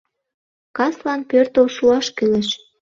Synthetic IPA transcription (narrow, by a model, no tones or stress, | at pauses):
kɑslɑnpørt̪olʃuɑʃkylĕʃ